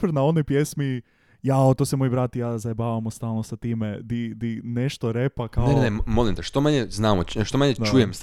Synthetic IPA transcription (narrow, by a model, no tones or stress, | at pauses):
fəɾnao̞nojpjesmi | jaot̪osemojibɾat̪ijaːzaebaːʋamost̪aːlˠnosat̪iːmed̪id̪ineʃt̪oɾepakaenemolimt̪eʃt̪omaɲeznaːmoʃt̪omaɲed̪at͡ʃujems